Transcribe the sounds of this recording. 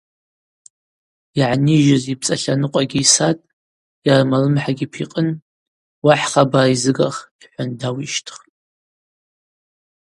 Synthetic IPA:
aʕniʒazip̚ʰt͡sʼaɬanɨqʷʼaɡʲiːsatʼ | jarmalɨmħaɡʲipʰiqʼən | waħχabaːizɨɡaχiħʷandawiʃtʰχʼ

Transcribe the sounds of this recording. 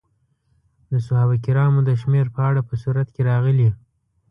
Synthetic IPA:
d̪əsʊhabakiɾɑmod̪əʃmeɾpəaɽapəsuɾat̪keɾɑɣəli

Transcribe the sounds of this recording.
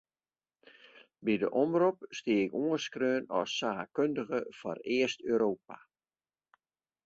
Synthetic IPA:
bidəʔɔmrupstiəɪkoəskrøːnɔsːaːkøndəɣəfɔrɪəstøːɾoːp̚a

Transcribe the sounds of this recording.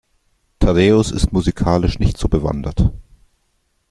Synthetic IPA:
tʰaʁeːʊsɪ̰stmuzikʰaːlɪʃnɪçtz̥oːbəva̰ndɐt

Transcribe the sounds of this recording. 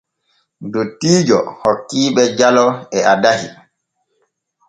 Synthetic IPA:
dotːiːd͡ʒɔhɔkːiːɓɛd͡ʒalɔɛadahi

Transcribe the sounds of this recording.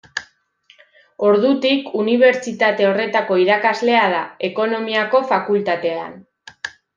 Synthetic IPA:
o̞ɾðut̪ikuniβ̞e̞ɾt͡ʃit̪at̪e̞o̞re̞t̪ako̞iɾakazle̞aðae̞ko̞no̞miako̞fakult̪at̪e̞a̰n

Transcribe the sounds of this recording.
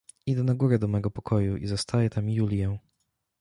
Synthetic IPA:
id̪ɛnaɡuɾɛd̪ɔmɛɡɔpɔkʰɔjuʔḭzɔst̪ʰajɛt̪amjulʲjɛw̃

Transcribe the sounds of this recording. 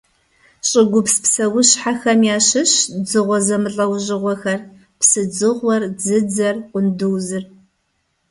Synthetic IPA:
ɕʼɪɡʷʊpspsɐwʊɕħaxɐmjaːɕɨɕd͡zɨʁʷɔzɐmɨɬʼɐwʑɪʁʷɔxɐr | psɨd͡zɨʁʷɔrd͡zɨd͡zɐrqʷʊndɨwzɨr

